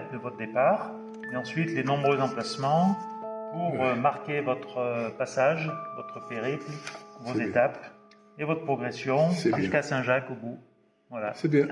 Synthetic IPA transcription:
d̪əvɔt̪χəd̪epaʁ | eɑ̃sɥit̪lenɔ̃bʁøzɑ̃plasmɑ̃ | puʁømaʁkʲevɔt̪χəpasaʒvɔt̪χəpeʁiplvozet̪ap | evɔt̪χəpχɔɡʁesjɔ̃ʒyskasɛ̃ʒakobu | vwalasɛbjɛ̃

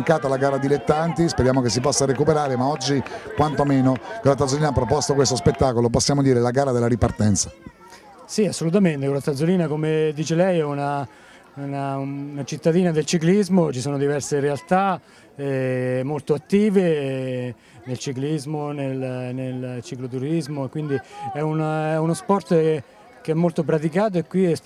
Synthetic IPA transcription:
ŋkaːt̪alaɡaːɾad̪ilet̪ːant̪ispeɾjaːmokesːipɔsːaɾekupeɾaːɾemaɔd͡ʒːikwant̪omeːnokolat̪at̪zolinapːɾopɔst̪okwest̪ospet̪ːaːkoloposːjaːmod̪iːɾelaɡaːɾad̪elːaɾipart̪ɛnt̪sa | siasːolut̪̬ament̪ekolat̪ad̪zoliːnakomed̪iːt͡ʃelɛjɛuna | unanat͡ʃit̪ːad̪iːnad̪elt͡ʃiklizmot͡ʃisoːnod̪ivɛrseɾealt̪a | ɛmolt̪oat̪ːiːve | nelt͡ʃiklizmonelnelt͡ʃiklot̪̬uɾizmokwind̪iɛunɛunospɔrt̪ | keɛmːolt̪op̬ɾat̪̬ik̬aːt̪̬oekːwiɛ

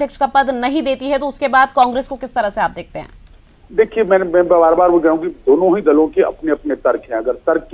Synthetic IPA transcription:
d̪ʱjəkʃkapɐd̪nɐɦĩd̪eːt̪iɦɛt̪oʊskebaːd̪kãːŋɡɾeːskokɪst̪ɐɾəɦseaːp̚d̪eːk̚t̪eɦɛ̰̃ː | d̪eːkʰiemɛ̃ːmɛ̃bbaːɾbaːɾʋoɡɐũɡid̪oːnõɦid̪ɐlõkeɐ̰pneɐpnet̪ɐɾkʰɦɛ̃ɐɡəɾt̪ɐɾk

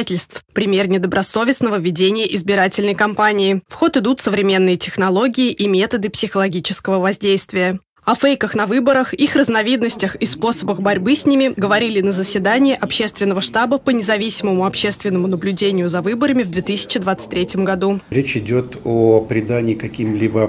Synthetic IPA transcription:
tʲɪlʲst̪fpɾʲɪmʲe̞rnʲɪd̪əbɾɐso̞vʲɪsnəvəvʲːɪdʲenʲɪjəʔɪzbʲɪɾatʲɪlʲnəjkɐmpanʲɪːfxo̞t̪ɨd̪ut̪səvɾʲɪmʲe̞nːɨjətʲɪxnɐlˠo̞ɡʲɪːʔimʲe̞t̪əd̪ɨpsʲɪxəlˠɐɡʲit͡ɕɪskəvəvɐzʲdʲejst̪vʲɪjə | ɐfejkəxn̪ɐvɨbəɾəxixrəznɐvʲid̪nəsʲtʲəxispo̞səbəxbɐɾʲbɨsʲnʲimʲɪɡəvɐɾʲilʲɪnəzəsʲvʲɪd̪anʲɪɪʔɐpɕe̞st̪vʲɪnːəvəʂt̪abəpənʲɪzɐvʲisʲɪməmʊɐpɕe̞st̪vʲɪnːəmʊnəblʲʉdʲenʲɪjʊzɐvɨbəɾəmʲɪvd̪vʲet̪ɨsʲɪ̥t͡ɕɪd̪vat̪sɨ̥t̚ʲt̪ʲːɾʲetʲjɪmɡɐd̪uɾʲet͡ɕɪdʲot̪opɾʲɪd̪anʲɪːkɐkʲimlʲibə

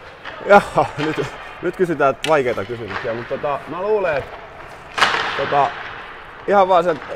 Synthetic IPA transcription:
jɑːnyt̪ | nyt̪kysyt̪æːʋɑikeˑit̪ɑkysymyksiæmut̪t̪ot̪ɑmæluːleet̪ | t̪ot̪ɑ | ihɑʋʋɑːselt̪

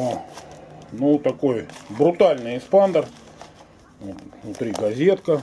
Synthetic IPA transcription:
nut̪ɐko̞jbɾʊt̪alʲnɨjɪspand̪ər | ot̪vnʊt̪ɾʲiɡɐzʲe̞t̪̚kə

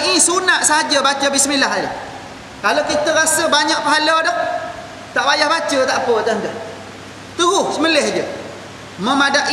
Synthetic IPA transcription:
isunaʔsaɦad͡ʒəbat͡ʃəbisəmilaɦadə̰ | kalowkit̪əɾasəbaɲaʔ̚pəɦaladɔh | t̪aʔbajahbat͡ʃət̪aʔpət̪ənt̪əh | t̪uɦuhsəməlɛhd͡ʒə | məmadaʔ

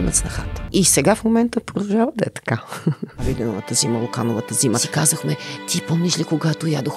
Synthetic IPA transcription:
mɛ̰t̪snɐxat̪isɛɡafmomɛnt̪əpɾod̪ˠʒavəd̪ɛt̪kavid̪ʲɛnovət̪ɐziməlˠokanovət̪ɐziməsikazəxmɛt̪ʰʲipomislʲikoɡat̪ojad̪ox

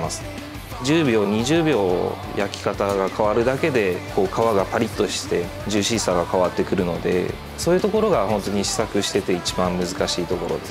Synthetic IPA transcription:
masɨ̥ | d͡ʑɨːbʲo̞ːɲ̟iʑɨːbʲo̞ː | jakʲi̥kat̪aɡakʰaβaɾɯ̟d̪ake̞d̪e̞kʰo̞ːkʰaβaɡapaɾʲit̪ːo̞ɕi̥t̪e̞ | d͡ʑɨːɕisaɡakaβat̪ːe̞kɯ̟ɾɯ̟no̞d̪e̞̰ | so̞ːjɯ̟t̪o̞ko̞ɾo̞ɡahõ̞nt̪o̞ɲ̟iɕi̥sakɯ̟ɕi̥t̪e̞t̪e̞it͡ɕibãmmɯ̟zɨkaɕiːt̪o̞ko̞ɾo̞̰d̪e

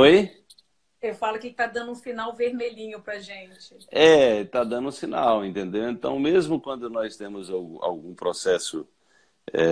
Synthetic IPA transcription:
oj | ewfalʊkɪt̪ad̪ɐ̃nd̪ũsinawveɾmeʎĩɲʊpɾɐʒẽnt͡ʃɪ̥ɛt̪ad̪ɐ̃nd̪ʊũsinawẽnt̪ẽnd̪ewẽnt̪ɐ̰̃w̃mezmʊkwɐ̃nd̪ʊnɔjst̪ẽmʊzawɡũa̰wɡũpɾɔsɛsʊ | ɛ̰

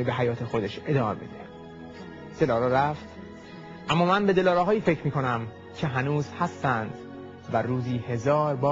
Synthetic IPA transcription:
ibe̞ɦæjɒːt̪ʰexo̞d̪e̞ʃe̞d̪ɒːmḛbe̞̰d̪ḛ | d̪̥e̞lɒːɾɛɾæft̪ | ʔæmːɒːmænbe̞d̪e̞lɒːɾɛɦɒːjiːfe̞cʰɾmiːkʰo̞næm | cʲʰe̞ɦænuːzhæst̪ænd̪ | væɾuːziːhe̞zɒːɾbɒː

